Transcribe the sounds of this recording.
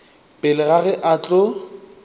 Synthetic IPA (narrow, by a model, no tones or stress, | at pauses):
pʼɪlɪɣaɣɛʔat͡ɬʼʊ